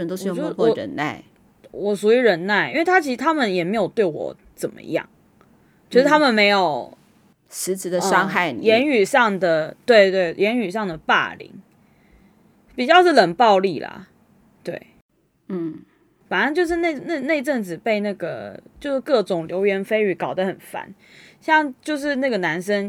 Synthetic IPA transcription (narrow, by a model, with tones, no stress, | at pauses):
ə˧nt̪o˥ʊʂ̩˥˧o˧˩o˥˦ɔ˥ɻə̰˧˥nna̰˥˩ɪ | wɔ˨˩ʂu˨˥i˧˥ɻə˧˥nna˥˩ɪʔi˥nwe˥˩ɪt̪a˥t͡ɕʰi˧˥ʂɻ̩˧t̪ʰa˥mə˨njɛ˨˩me˧˥ɪjo˨˩ʊt̪we˥˩ɪwɔ̰˨˧˩ | t͡sə˨˩mə̰˧jɑ̰˥˩ŋ | t͡ɕo˥˧˥ʂɻ̩˥˧t̪ʰa˥mə˨nme˧˥ɪjo˨˩ʊ | ʂɻ̩˧˥t͡s̩˨˥d̪ə˧ʂɑ˥ŋxa˥˩ɪ˨jɛ˧˦˥ny˨˩ʂɑ˥˩ŋd̪ə˩t̪we˥˧ɪt̪we˥˩ɪjɛ˧˥ny˨˩ʂɑ˥˩ŋd̪ə˩pa̰˥˩lḭ˧˥ŋ | pi˨˩t͡ɕjɑ˥˧ʊʂɻ̩˥˩lə˨˩npɑ˥˧ʊli˥˩lɐ̰˩ | t̪we˥˩ɪ | n̩˥˩ | fa˨˩nə˥˧nt͡ɕjo˥˧ʊʂ̬ɻ̩˥˧na˥˩ɪ˧˩na˥˧ne˥˧ɪʈ͡ʂə˥˩ŋt͡sɹ̩˨˩pe˥˧ɪna˥˩ɡə̰˩t͡ɕjo˥˧ʊʂɻ̩˥˧kɤ˥˩ʈ͡ʂʊ˨˩ŋljo˧˥ʊɥɛ˧˥nfe˥ɪy˨˩kɑ˨˩ʊd̪ə˦xə˨˩nfa̰˨˦n | ɕjɑ˥˩ŋt͡ɕjo˥˧ʊʂ̬ɻ̩˥˧na˥˩ɡə˩na˧˥nʂə˥n